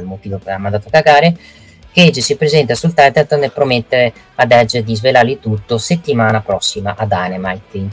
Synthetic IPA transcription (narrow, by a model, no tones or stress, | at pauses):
elmot̪iːvopeamːand̪at̪okaɡaːɾe | keed͡ʒːisipɾezɛnt̪asult̪ɛt̪et̪nepɾomet̪ːeɾe | ad̪ɛd͡ʒːed̪izvelaɾit̪ut̪ːoset̪ːimaːnapɾɔsːimaʔad̪anemajkwin